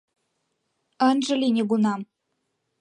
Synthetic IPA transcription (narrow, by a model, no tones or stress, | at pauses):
ə̆nʒə̆lʲinʲeɣunɑm